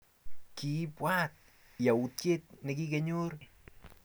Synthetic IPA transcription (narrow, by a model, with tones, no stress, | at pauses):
ki˨˦pwa˦t̪̚ | ja˨u˨t̪̚ke˦t̪̚nɪ˨ki˦ke˦ɲo˦ɾ